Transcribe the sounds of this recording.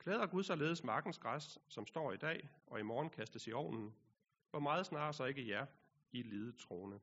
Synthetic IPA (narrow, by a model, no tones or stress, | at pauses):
kʰleːðˠɐɡ̥uð̞ˠsɒ̽le̝ːðˠəsmɑ̈ːɡ̥n̩sɡ̥ʁasd̥sɒ̽msd̥ɒ̰ːid̥ɛ̰ːɒ̽imɒːn̩kʰæsd̥əsiɒʊ̰nn̩ | ʋɒmɑ̈ːð̞̩ˠsnɑ̈ːsɒ̽e̝ɡ̥əjæɐ | ie̥liːð̩ˠt͡sʰʁo̝ːnə